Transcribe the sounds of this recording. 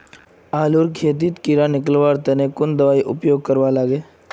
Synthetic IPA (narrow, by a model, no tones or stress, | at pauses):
aːluɾkʰeːt̪̬iːt̪kiɾanɪkəlʋaːɾt̪ɛnekʊnd̪əʋaːiʔʊpjoːɡ̚kəɾʋalaːɡeː